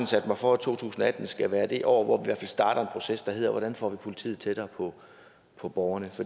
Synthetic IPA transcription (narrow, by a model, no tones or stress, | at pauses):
n̩sæd̥mɑ̈ɪfɒæt͡sʰo̝̰ːt͡sʰṵːsn̩ɒæd̥n̩sɡ̥æʋæːɐd̥e̝ʔɒʊ̰ɐʋɒʋiʋæɐ̰fælsd̥ɑ̈ːɾ̥ɐe̝npʰʁo̝sesd̥ɑ̈ɦe̝ð̰ˠɐʋɒɾ̥ænfɒ̰ːʋipʰo̝lit͡sʰḭːð̩ˠt͡sʰeɾ̥ɐːpʰɒ̽ | pʰɒ̽b̥ɒʊɐnəfɒ̥